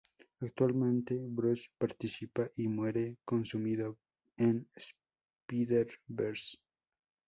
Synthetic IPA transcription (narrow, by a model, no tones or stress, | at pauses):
akt̪walmẽnt̪ebɾuspaɾt̪isipaʔimweɾekonsumiðo | ens | piðeɾbeɾs